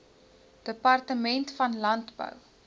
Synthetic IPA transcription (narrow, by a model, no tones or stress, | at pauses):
d̥əpɐrtəmɛntfɐnlɐntbə̰w